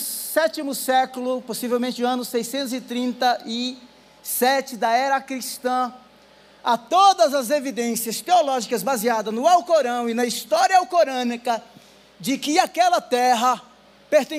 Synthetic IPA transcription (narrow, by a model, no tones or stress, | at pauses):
sɛt͡ʃimʊsɛkʊlʊposivewmẽt͡ʃɪʊ̃ɐ̃nʊsejsẽnt̪ʊzɪt̪ɾĩnt̪ɐɪ | sɛt͡ʃɪd̪ɐɛɾɐkɾist̪ɐ̃ | at̪od̪ɐzɐzevid̪ẽsiɐst̪eolɔʒikɐzbaziad̪ɐznʊawkoɾɐ̃w̃ɪnɐist̪ɔɾiɐawkoɾɐ̃nikɐ | d͡ʒɪkɪakɛlɐt̪ɛɦɐ | peɾt̪ẽ